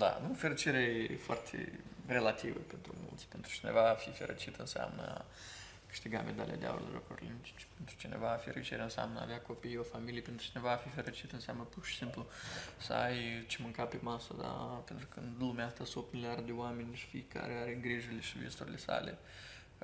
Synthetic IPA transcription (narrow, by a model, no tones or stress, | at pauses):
d̪a̰nufeɾot͡ʃiɾeefoa̰rt̪ʰḛrelat̪ivəpent̪ɾumṵlt̪sʲpent̪ɾu̥t͡ʃine̞̰vaːfifeɾʔo̰t͡ʃit̪ɨnsea̰mnə̰a | kɨ̥ʃt̪iɡa̰mʔed̪a̰lʲḛja̰d̪ea̰o̰ɾleloko̰rlḭmit͡ʃt͡ʃpent̪ɾu̥t͡ʃine̞̰vaːfiɾḛt͡ʃeɾeɨnsea̰mnəa̰vjako̞pijofamilijpent̪ɾu̥t͡ʃine̞vaːfifeɾet͡ʃit̪ənseamnəpurʃi̥simplusəajt͡ʃemɨŋkapemasəd̪a̰pent̪ɾuukɨnd̪lumʲaast̪asop̪milʲiard̪̚d̪eoamenʲʃi̥fḭjka̰ɾeaɾeŋɡɾiʒuleʃivjest̪uɾilesa̰lḛ